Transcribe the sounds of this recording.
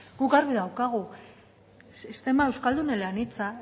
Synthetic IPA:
ɡukɡaɾβiðawkaɣ̞u | sist̪e̞mae̞wskald̪unelanit͡sa

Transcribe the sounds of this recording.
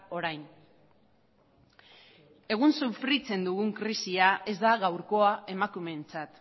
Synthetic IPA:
o̞ɾajn | e̞ɣ̞unsufɾit͡se̞nd̪uɣuŋkɾisiae̞zd̪aɣawɾko̞ae̞makume̞nt͡sat̪

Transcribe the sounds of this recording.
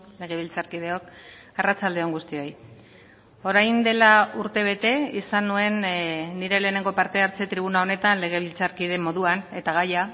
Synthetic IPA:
le̞ɣ̞e̞β̞ilt͡saɾkið̞e̞o̞k | arat͡sald̪e̞o̞ŋɡust̪io̞j | o̞ɾajnd̪e̞lauɾt̪e̞β̞e̞t̪e̞isanue̞nːiɾe̞le̞ːne̞ŋɡo̞paɾt̪e̞aɾt͡se̞t̪ɾiβ̞unao̞ne̞t̪anle̞ɣ̞e̞β̞ilt͡saɾkiðe̞mo̞ðuane̞t̪aɣ̞aja

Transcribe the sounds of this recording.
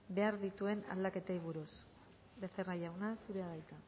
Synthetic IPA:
be̞aɾðit̪ue̞na̰ld̪ake̞t̪aiβuɾus | beθeraʝawnasuɾeaðajt̪a

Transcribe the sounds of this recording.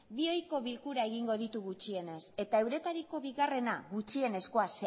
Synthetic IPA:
bio̞jko̞βilkuɾae̞ɣ̞iŋɡo̞ðit̪uɣut͡ʃie̞ne̞se̞t̪ae̞wɾe̞t̪aɾiko̞βiɣare̞naɣut͡ʃie̞ne̞sko̞as

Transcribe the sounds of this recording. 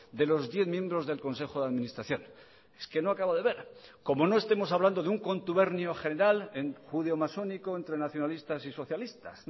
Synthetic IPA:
d̪e̞lo̞zðje̞θmjẽ̞mbɾo̞zðe̞lko̞nse̞xoðeaðmĩnist̪ɾaθjo̞n | e̥ske̞no̞akaβaðeβe̞ɾko̞mo̞no̞est̪emo̞saβland̪o̞ðeuŋko̞nt̪uβe̞ɾnjo̞χe̞ne̞ɾalenxuðeomaso̞niko̞ent̪ɾe̞naθjo̞nalist̪asiso̞θjalist̪a̰s

